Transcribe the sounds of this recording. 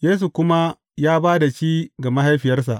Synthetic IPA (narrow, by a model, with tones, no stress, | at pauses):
jeː˦s̬u˨kʷʊ˦ma˦ | jaː˦baː˦da˨ʃiː˦ɡa˨ma˦ɦa˦jɸɪ˨jɐ˦rsa̰˨ʔ